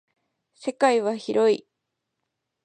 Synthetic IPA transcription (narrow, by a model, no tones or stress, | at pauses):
se̞kaiβaçiɾo̞i